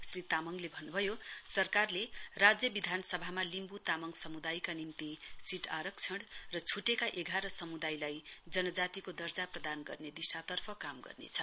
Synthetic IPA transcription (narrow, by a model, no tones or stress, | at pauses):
srit̪amʌŋlebʱʌnːubʱʌjosʌrkarlerad͡zjʌbid̪ʱanʌsʌbʱamalimbut̪amʌŋsʌmud̪ajkanimt̪isiʈʰaɾʌk̚t͡sʰʌɽrʌt͡sʰuʈekaʔeɡʱaɾʌsʌmud̪ajlajd͡zʌnʌd͡zat̪ikod̪ʌrd͡zaprʌd̪anɡʌ̰rned̪isat̪ʌrpʰʌkamɡʌ̰rnḛt͡sʰʌ